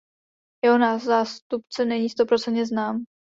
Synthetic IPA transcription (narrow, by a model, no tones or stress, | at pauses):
jɛɦonaːzaːst̪upt͡sɛnɛɲiːst̪o̞pɾo̞t͡sɛnt̪ɲɛznaːm